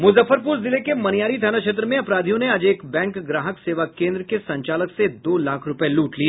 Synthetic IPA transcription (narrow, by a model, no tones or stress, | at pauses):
mʊzəfəɾpuːɾzɪlekemɐnjaːɾid̪ʱjaːnakʃeːt̪̬ɾəmẽɐpɾaːd̪ʱijõneɐd͡ʒeːkbɛ̃ːŋkɡɾaːɦəkseːʋakẽːnd̪ɾəkesɐ̃ɲt͡ʃaːləksed̪oːlaːkʰɾʊpəeluːʈlie